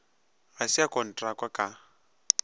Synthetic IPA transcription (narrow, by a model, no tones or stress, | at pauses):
ɣasiakʼɔn̩tʼrakʼwakʼa